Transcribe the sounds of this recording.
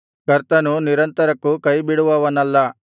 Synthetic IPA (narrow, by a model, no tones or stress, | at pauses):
kɐɾt̪ɐnuniɾɐnt̪ɐɾɐkːukɐjbiɽuʋɐːʋɐnɐlːɐ